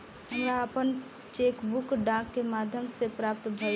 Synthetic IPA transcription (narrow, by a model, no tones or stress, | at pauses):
ɦəmɾaəpən | t͡ʃekbukɖãkːemaːd̪ʱjəmsepɾaːp̚t̪bʱə